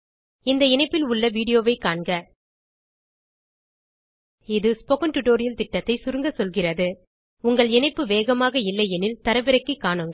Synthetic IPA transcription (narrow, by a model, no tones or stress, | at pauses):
ɪnd̪ɐɪnɐɪpːɪlʊɭːɐʋiːɽɪjoːʋɐɪkaːɳɡɐ | ɪðɯspɔkɐnʈʊʈːoːɾɪjɐlt̪ɪʈːɐt̪ːɐɪsʊɾɯŋɡɐsɔlɣɪrɐðɯ | ʊŋɡɐɭɪnɐɪpːɯʋeːɣɐmaːɣɐɪlːɐɪɛnɪlt̪ɐɾɐʋɪɾɐkːɯkːaːɳɯŋɡɐ